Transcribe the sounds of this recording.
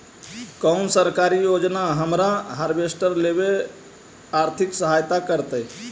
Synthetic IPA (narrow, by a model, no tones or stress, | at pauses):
kəʊnsəɾkaɾijod͡ʒnaɦəmɾaɦaɾbesʈəɾlebe | aɾt̪ʰɪksəɦajt̪akəɾt̪əj